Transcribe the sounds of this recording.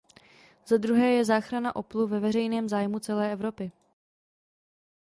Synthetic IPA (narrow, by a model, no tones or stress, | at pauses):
z̥ad̪ɾuɦɛːjɛzaːxɾana̰ʔo̞pluvɛvɛrɛjnɛːmzaːjmut͡sɛlɛːʔɛvɾo̞pɪ